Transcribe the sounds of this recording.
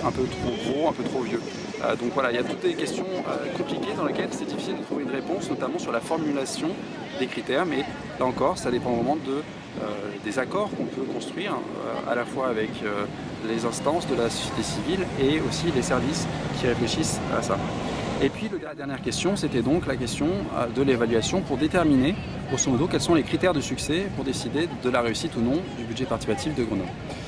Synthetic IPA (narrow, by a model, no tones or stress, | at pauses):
ɛ̃pøt̪χoɡʁoɛ̃pøt̪χovjø | ø̰d̪ɔ̃kvwalailjat̪ut̪̚d̪ekʲɛst̪jɔ̃ø̰kɔ̃plikʲed̪ɑ̃lekʲɛlsɛd̪ifi̥sild̪ət̪χuveynʁepɔ̃snɔt̪amɑ̃syʁlafɔʁmylasjɔ̃ | d̪ekχit̪ɛʁmɛ | laɑ̃kɔʁsad̪epɑ̃vʁɛmɑ̃d̪ə | ød̪ezakɔʁkɔ̃pøkɔ̃st̪χɥiʁ | ø̰a̰lafwaːvɛkø | lezɛ̃st̪ɑ̃sd̪əlasɔ̥sjet̪esivileosilesɛʁviskʲʰiʁefleʃisa̰sa̰epɥiləd̪ɛd̪ɛʁnjɛʁkʲɛst̪jɔ̃set̪ɛd̪ɔ̃klakʲɛst̪jɔ̰̃d̪əlevalɥasjɔ̃puʁd̪et̪ɛʁmine | osəmod̪okʲɛlsɔ̃lekχit̪ɛʁd̪əsyksɛpuʁd̪esid̪ed̪əlaʁeysit̪unɔ̃d̪ybyd̪ʒɛpat̪isipat̪ifd̪əɡʁənɔbʁ